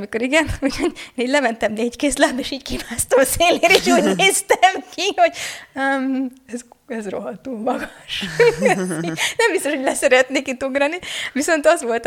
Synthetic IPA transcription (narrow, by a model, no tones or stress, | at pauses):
miko̞ɾiɡɛnuɟhoeːniːɟlɛmɛnt̪ɛmneːckeːslaːbeːʃiːckimaːst̪oseːleːɾeʃuːɟneːst̪ɛmkiho̞ɟømɛzɛzro̰ɦɒt̪uːlmɒɡɒʃ | nɛmbist̪oʃhoɟʲlɛsɛɾɛt̪neːkit̪uɡrɒniʋiso̞nt̪ɒzʋo̞lt̪